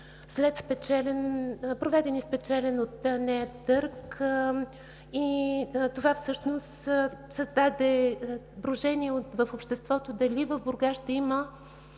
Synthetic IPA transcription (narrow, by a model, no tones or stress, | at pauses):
slɛt̪spɛt͡ʃɛlɛnpɾovɛd̪ɛnispɛt͡ʃɛlɛnot̪ənɛt̪ɤɾk | it̪ovafsɤʃnost̪sɐzd̪ad̪ɛ | bɾoʒɛniɛot̪vəfopʃt̪ɛst̪vɔt̪od̪ɐlivəvboɾɡaʃt̪ɐimə